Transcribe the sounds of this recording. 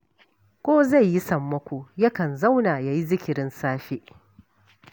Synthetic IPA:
kʷoː˦za˦˨jːi˦sɐ˨mːɐ˦kʷo˨jɐ˦kɐ˨nza˦wnaː˨ja˨ji˦zɪ˦kʲɪ˨ɾɪ˦nsaː˦ɸe˦ʔ

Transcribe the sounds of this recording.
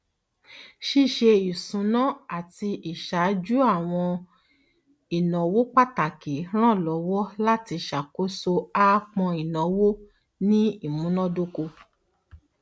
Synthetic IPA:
ʃi˦˨ʃe˧i˨sũ˨˦nɔ̃˦a˦˨ti˧i˨ʃa˨˦d͡ʒu˦a˦˨w̃ɔ̃˧ | i˨nɔ̃˨wo˦k͡pa˦˨ta˨ke˨˦ɾ̃ã˦˨lɔ˨˦wɔ˦la˦ti˧ʃa˨ko˦so˧a˦˧k͡pɔ̃˧i˨nɔ̃˨˦wo˦ | nĩ˦i˦˨mũ˨˦nɔ̃˦do˦ko˧

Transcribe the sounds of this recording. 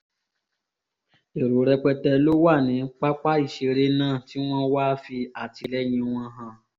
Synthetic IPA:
e˨ɾo˨˦ɾɛ˧k͡pɛ˧tɛ˧lo˦wa˦˨nĩ˨˦k͡pa˦k͡pa˦i˦˨ʃe˧ɾe˧nãː˦˨ti˦w̃ɔ̃˦wa˦fi˧a˦˨ti˧lɛ˦j̃ĩ˧w̃ɔ̃˧ɦã˧˨

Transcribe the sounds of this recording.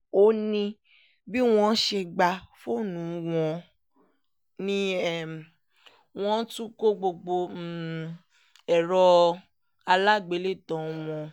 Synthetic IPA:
o˦nĩ˧ | bi˦w̃ɔ̃˧˦ʃe˧ɡ͡ba˧fo˦˨nũ˨˦w̃ɔ̃˧ | nĩ˦ɛ˦˨m˨ | w̃ɔ̃˦tũ˦ko˦ɡ͡bo˧ɡ͡bo˧˨ | ɛ˨ɾɔ˧ | a˧la˦˨ɡ͡be˨˦le˦˨tɔ̃˨˦w̃ɔ̃˧

